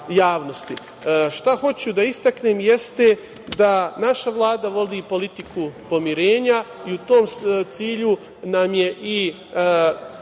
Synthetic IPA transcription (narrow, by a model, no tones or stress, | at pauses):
jaːʋno̞st̪i | ʃt̪axo̞t͡ɕud̪aist̪akne̞ːmjest̪e̞ | d̪anaʃaʋlˠaːd̪aʋo̞d̪iːpo̞lit̪ikupo̞miɾe̞ːɲaiut̪o̞ːmt̪siːʎu | namjeʔi